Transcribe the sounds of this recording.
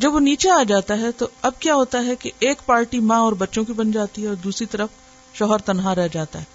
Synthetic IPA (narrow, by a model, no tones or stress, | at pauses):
d͡ʒɐbʋoniːt͡ʃeaːd͡ʒaːt̪aɦɛt̪oɐb̚kjaːɦoːt̪aɦɛkeʔeːkpaːɾʈimãɔːɾbɐtːʃõkibɐnd͡ʒaːt̪iɦɛɔːɾd̪uːsɾit̪ɐɾəf | ʃɔɦəɾt̪ɐnɦaɾɛɦd͡ʒaːt̪a̰ɦɛː